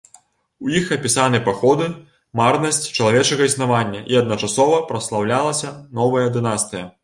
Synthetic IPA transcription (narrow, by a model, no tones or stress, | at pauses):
wjixɐpʲisanɨpaxɔd̪ɨ | marnɐsʲt͡sʲt͡ʂɐlˠavʲɛt͡ʂɐɣɐisnavanʲːɐʔiɐd̪nɐt͡ʂasɔvɐpɾɐslˠawlʲalˠɐsʲɐn̪ɔvɐjɐd̪ɨnast̪ɨjɐ